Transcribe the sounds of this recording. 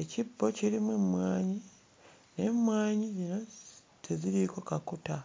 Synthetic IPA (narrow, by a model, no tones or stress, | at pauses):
e̞cibːo̞ciɾimwemwaːɲi | ne̞mwaːɲizino̞ | tʰe̞ziɾiko̞kakuta